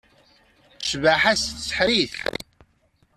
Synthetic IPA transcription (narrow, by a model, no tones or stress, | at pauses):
ʃvaħæssə̥ħɾiθ